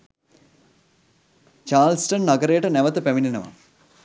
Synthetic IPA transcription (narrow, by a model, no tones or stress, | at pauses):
t͡ʃaːlsʈənːaɡəɾejʈənæʋət̪əpæminenəʋa̰